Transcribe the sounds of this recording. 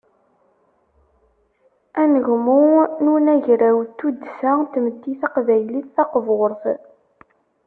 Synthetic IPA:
ænəʝmununæʝɾæwt̪ːud̪sæt̪mət̪ːiθɑqvæjliθːɑqvʊɾθ

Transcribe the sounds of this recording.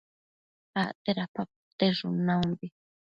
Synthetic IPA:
aʔt̪eɾapap̚ | t̪eɾʊnambi

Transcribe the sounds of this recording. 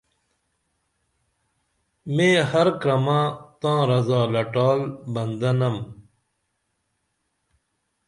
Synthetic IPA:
mẽːhɐɾkɾɐmãːt̪ãːɾɐzaːlɐʈaːlbɐnd̪ɐnɐm

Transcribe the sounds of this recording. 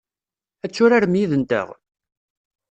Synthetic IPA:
æt͡sːʊɾaɾmjiðənt̪ə̰ʁ

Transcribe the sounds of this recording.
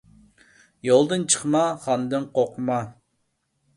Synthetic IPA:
jolˠd̪ɨnt͡ʃʰə̥χmɑχɑnd̪ɨnqʰoqʰʊmɑ

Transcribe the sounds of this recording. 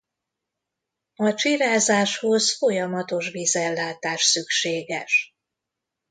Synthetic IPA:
ɒt͡ʃiɾaːzaːʃho̞zfo̞jɒmɒt̪o̞ʃviːzɛlːaːt̪aːʃsykʃeːɡɛ̰ʃ

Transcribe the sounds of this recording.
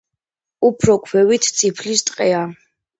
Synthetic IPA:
upʰɾɔkʰwɛwit̪ʰt̪sʰipʰlist̪ʼqʼɛa

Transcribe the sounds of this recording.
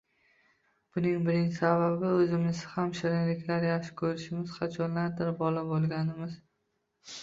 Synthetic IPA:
b̥ʊnɪŋbɪɾɪŋsababɪɵzɪmɪzɪhamʃɪɾɪŋlɪkʲlaɾjaχʃɪ̥kʲʰɵɾɪʃɪmɪz̥qʰɑt͡ʃʰɒnlaɾd̪ɪɾbɒlabolˠɡʲanɪmɪz

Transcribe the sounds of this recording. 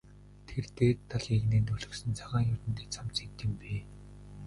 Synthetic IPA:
t̪ʰert̪eːt̪ʰːaɮeɣneːnt̪ɵɮɵ̆ksɘ̆nt͡sʰaʁaːŋjʊt̪ɘ̆nt̪eːt͡sʰamt͡sit̪ːɘ̆mpeː

